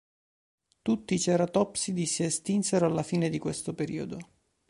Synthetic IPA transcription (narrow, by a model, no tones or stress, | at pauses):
t̪ut̪ːit͡ʃɛːɾat̪ɔpsid̪isiest̪inseɾoalːafiːned̪ikwest̪opeɾḭːo̰d̪o